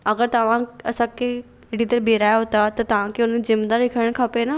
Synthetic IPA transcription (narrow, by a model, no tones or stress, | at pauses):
ɐɡəɾt̪ɐʋ̤ãɐsãkʰe | ɪɽit̪ɐɾbʱeːɾaːjɦʊt̪at̪ɐt̪ɐʋ̤ãkʰeʊnəzɪmd̪aɾɪkʰəəɽ̃kʰaːpena